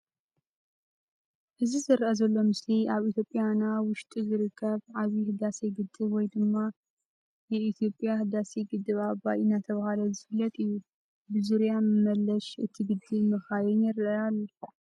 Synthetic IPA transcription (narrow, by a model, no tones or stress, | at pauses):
ʔɨzizɨɾʔɐzɐlːo̞mɨsliaβit̪ʰjo̞pʼːjanawʊʃt̪ʼizɨɾɨkʰːɐβʕaβihɨd̪aseɡɨd̪ːɨβwɔjd̪ɨmːa | jɛit̪ʰjo̞pʼjahɨd̪aseɡɨd̪ːɨβabaʔinat̪ʰɐβahalɐzɨfɨlːɐt̪ʼɨjːu | bɨzuɾjamɨmɐlːɐʃʔɨ̰t̪ʰiɡɨd̪ːɨβmɨxajɛnjɛɾɨʔɐjalː